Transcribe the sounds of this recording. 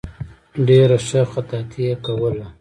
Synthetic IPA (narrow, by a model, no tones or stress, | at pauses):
ɖeɾaʃəxat̪ɑt̪ʰiekawəla